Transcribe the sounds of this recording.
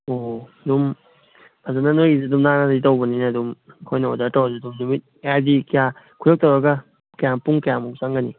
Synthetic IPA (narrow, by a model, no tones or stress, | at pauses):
oɐdum | bʰazanːanojɡizidumnanaitawbɐninaːdumkʰojnɐo̰daɾtawzadumnumit̚ | eajdikija | kʰujɔk̚tawɾaɡɐ | kajaŋpuŋkajaŋmuk̚saŋɡɐni